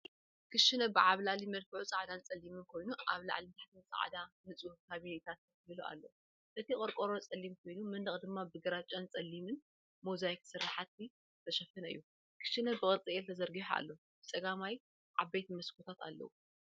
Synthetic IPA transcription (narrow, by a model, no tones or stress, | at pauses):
kʰɨʃɨnɐbɨʕaβlalimɐlkɨʕut͡sʼaʕd̪ant͡sʼɐlːimɨnkʰo̞jnuʔa̰βla̰ʕlint̪ʰaħt̪ʰɨnt͡sʼa̰ʕd̪anɨt͡sʼuhkʰaβinit̪ʰat̪̚ | bɨluʔa̰lːɐ̰w | ʔɨt̪ʰikʼoɾkʼoɾot͡sʼɐlːimkʰo̞jnumɨnd̪ɨχʼd̪ɨmːabɨɡɐɾat͡ʃʼːant͡sʼɐlːimɨn | mozajksɨɾːaħat̪̚ːi | t̪ʰɐʃɐfɨnɐɨ̰jːu | kʰɨ̥ʃːɨnɐbɨkʼɨɾt͡sʼiʔɛlt̪ʰɐzɐɾɡiħa̰lːɐ | b̥ɨt͡sʼɐɡamaj | ʕaβejt̪imɐskʰot̪ʰat̪a̰lːɐ̰wu